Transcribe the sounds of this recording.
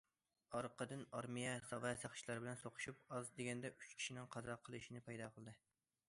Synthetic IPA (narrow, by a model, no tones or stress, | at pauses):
ɑɾqəd̪ɨnɑɾmijɛsɑvɑsɑχt͡ʃʰilˠɑɾbɪlɛnsoqʰʊ̥ʃupɑzd̪eɡʲɛnd̪ɛʔyt͡ʃkʲʰi̥ʃinɪŋqʰɑd̪ɾɑqʰəlˠɨʃinɪpʰɑjd̪ɑːqʰəlˠɨd̪ɨ